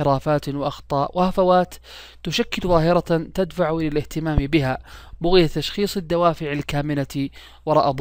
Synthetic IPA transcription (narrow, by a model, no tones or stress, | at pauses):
ɪɾˤaːfaːt̪wɪʔɑxt̪ˤɑːʔwɪhafawaːt̪ː | ʊʃakːɪlðˤɑːɦɪɾɑt̪ad̪faʕlɪlɪht̪ɪmaːmbɪɦabʊɣɪjat̪ːaʃxiːsˤɪd̪ːawaːfɪʕalkaːmɪna | wɑɾˤɑːʔd̪ˤ